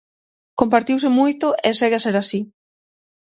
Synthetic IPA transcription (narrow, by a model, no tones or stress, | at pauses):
kompaɾt̪iwsɪmujt̪oʔeseɣeaseɾasi